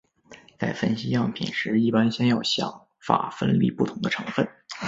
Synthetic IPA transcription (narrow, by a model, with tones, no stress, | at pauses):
t͡sa˥˩ɪfə˥nɕi˥jɑ˥˩ŋpʰḭ˨˩nʂɻ̩˧˥i˥˩pa˥nɕjɛ˥njɑ˥˩ʊɕjɑ̰˨˩˦ŋ | fa̰˨˩fə̰˥nlḭ˥˩pu˥˩t̪ʰʊ˧˥ŋd̪ə˧ʈ͡ʂʰɤ˧˥ŋfə˥˩n